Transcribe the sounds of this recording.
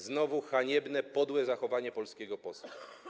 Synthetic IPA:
znɔvuxaɲɛbnɛpɔd̪wɛzaxɔvaɲɛpɔlskʲɛɡɔpɔsu

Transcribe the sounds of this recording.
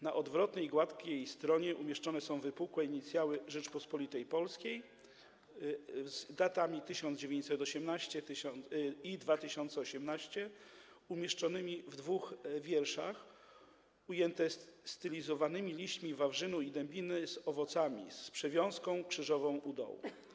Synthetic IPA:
naʔɔd̪vɾɔt̪nɛjɡwat̪kʲejst̪ɾɔɲɛʔumʲjɛʂt͡ʂɔnɛsɔ̃w̃vɘpukwɛiɲit̪sʲjawɘʐɛt͡ʂpɔspɔlʲit̪ɛjpɔlskʲej | zd̪at̪amʲit̪ɘɕɔnd̪zd͡ʑevʲjẽɲt͡ɕsɛt̪ɔɕɛmnaɕt͡ɕɛt̪ɘid̪vat̪ɘɕɔnt̪sɛɔɕɛmnaɕt͡ɕɛumʲjɛʂt͡ʂɔnɘmʲivd̪vuxvʲjɛɾʂax | ujɛnt̪ɛst̪ɘlʲizɔvanɘmʲilʲiɕt͡ɕmʲivavʐɘnuid̪ɛmbʲinɘzɔvɔt̪samʲḭspʂɛvʲjɔ̃w̃skɔ̃w̃kʂɘʐɔvɔ̃w̃ʔud̪ɔ̰wṵ

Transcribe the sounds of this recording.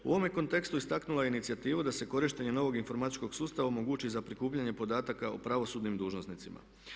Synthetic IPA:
uʔo̞ʋomjeko̞nt̪e̞kst̪uist̪aknulˠajeinit̪siat̪iːʋud̪ase̞ko̞ɾiʃt̪e̞ɲe̞no̞ʋo̞ɡinfo̞ɾmat̪i̥t͡ʃko̞ɡsuːst̪aʋaomo̞ɡuːt͡ʃizapɾikuːpʎaɲe̞po̞d̪aːt̪akao̰pɾaʋo̞suːd̪nimd̪uːʒno̞snit̪sima̰

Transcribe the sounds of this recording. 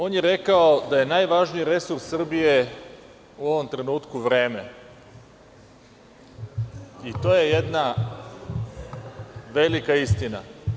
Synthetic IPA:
o̞ːnjeɾe̞kaod̪aje̞naːjʋaʒnijiɾe̞suɾssr̩bije̞ | uo̞ʋo̞mt̪ɾe̞nuːt̪kuʋɾe̞ːme̞ | it̪o̞ːje̞jed̪na | ʋe̞likaist̪ina̰

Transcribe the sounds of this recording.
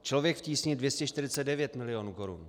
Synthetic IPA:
t͡ʃlo̞vjɛkfciːsɲidvjɛscɛʃt̪ɪɾɪt͡sɛd̪̚dɛvjɛt̪mɪlɪjonuːko̞ɾṵn

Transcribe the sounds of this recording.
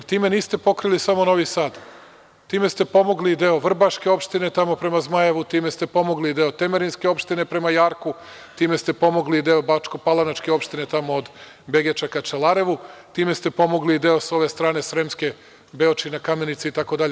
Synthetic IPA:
jt̪iːme̞niːst̪e̞po̞kɾilisamono̞ʋisaːd̪ | t̪iːme̞st̪epo̞mo̞ɡlid̪eo̞ʋr̩baʃke̞o̞pʃt̪ine̞t̪amo̞pɾe̞mazmajeʋut̪iːme̞st̪e̞po̞mo̞ɡlid̪eot̪emeɾinske̞o̞pʃt̪ine̞pɾe̞majaːɾku | t̪iːmest̪e̞po̞mo̞ɡlid̪eobat͡ʃkopalˠanat͡ʃke̞o̞pʃt̪ine̞t̪amoːd̪ | beɡet͡ʃakat͡ʃelˠaɾe̞ʋut̪iːme̞st̪e̞po̞moɡliːd̪eoso̞ʋe̞st̪ɾaːne̞sɾemske̞ | beot͡ʃinakame̞nit̪siit̪ako̞d̪aʎe

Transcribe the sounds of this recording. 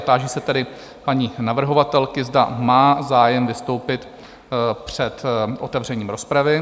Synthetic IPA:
t̪aːʒiːsɛt̪ɛdɪ | paɲiːnavr̩ɦo̞vat̪ɛlkɪzdamaːzaːjɛmvɪst̪o̞wpɪt̪ | pr̝̥ɛt̪ʔot̪ɛvr̝ɛɲiːmɾo̞spɾavɪ

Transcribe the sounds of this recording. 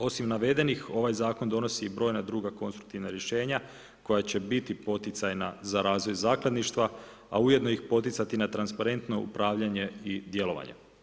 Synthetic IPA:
o̞simnaʋe̞d̪e̞nixo̞ʋajzaːko̞nd̪o̞no̞sibɾo̞jnad̪ɾuːɡako̞nst̪ɾuk̚t̪iʋnaɾje̞ʃe̞ːɲa | ko̞jat͡ɕe̞bit̪ipo̞t̪it̪sajnazaɾaːzʋo̞jzaːklˠad̪niʃt̪ʋa | a̰uje̞d̪no̞ixpo̞t̪it̪sat̪inat̪ɾanspaɾe̞nt̪no̞ṵpɾaːʋʎaɲe̞id̪je̞lo̞ʋa̰ɲḛ

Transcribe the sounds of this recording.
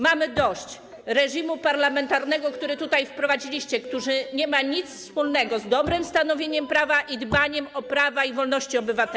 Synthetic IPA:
mamɘd̪ɔɕt͡ɕ | ɾɛʐimupaɾlamɛnt̪aɾnɛɡɔkt̪uɾɘt̪ut̪ajfpɾɔvad͡ʑilʲiɕt͡ɕɛkt̪uʐɘɲɛmaɲit̪sfspulnɛɡɔzd̪ɔbɾɘmst̪anɔvʲjeɲɛmpɾavaʔid̪baɲɛmɔpɾavaivɔlnɔɕt͡ɕiɔbɘvat̪ɛ

